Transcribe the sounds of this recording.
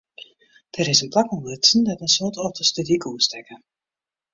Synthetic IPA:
d̥əɾɪsənplakɔnlɪsən̩dɔtənsoːtɔpdəstydikuəstɛkə

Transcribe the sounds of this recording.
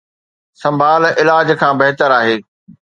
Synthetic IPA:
sɐ̃mbʱaːlɪlaːd͡ʑkʰãːbɐɦɪt̪əɾaːɦeː

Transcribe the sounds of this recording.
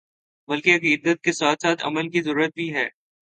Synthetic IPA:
bɐlkeɐkiːd̪ət̪̚kesaːt̪ʰsaːt̪ʰɐ̰məlkizəɾuːɾət̪̚bʱiɦɛː

